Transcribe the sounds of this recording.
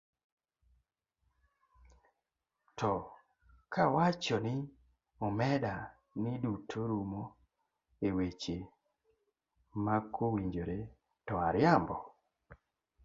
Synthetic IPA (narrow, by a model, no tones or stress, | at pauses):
tɔ | kʰawat͡ʃɔnɪ | omɛda | nɪdutʰoɾumo | ewet͡ʃe | makʰowiɲd͡ʒoɾe | tɔaɾjambɔ